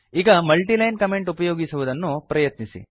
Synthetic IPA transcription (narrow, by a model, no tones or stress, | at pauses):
iːɡɐmɐlʈilɐjnkɐme̞ɳʈupɐjoːɡisuʋud̪ɐnːupɾɐjɐt̪nisḭ